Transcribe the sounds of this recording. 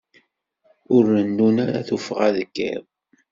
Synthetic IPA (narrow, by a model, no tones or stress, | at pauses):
ʊɾənːunaɾa̰θufʁaðəkːə̰ɾ